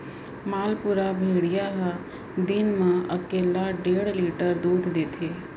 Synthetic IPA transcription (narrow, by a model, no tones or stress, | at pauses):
maːlpuɾabʱeɽijaɦa | d̪inmãəkeːlaɖeɽliʈəɾd̪ud̪ʱd̪et̪ʰe